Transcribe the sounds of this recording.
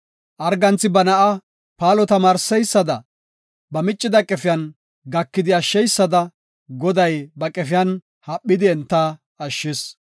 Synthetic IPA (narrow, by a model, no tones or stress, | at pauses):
ʔɐɾɡɐnt͡sːɪbɐnɐʔɐ | paːlɔt̪ɐmaːɾsɛjsːɐd̪ɐ | bɐmɪt͡ʃʼːɪd̪ɐkʼɛfɪjɐn | ɡɐkːɪd̪ɪɐʃːɛjsːɐd̪ɐ | ɡɔd̪ɐjbɐkʼɛfɪjɐn | hɐpʼːɪd̪ɪɛnt̪ːɐ | ɐʃːɪs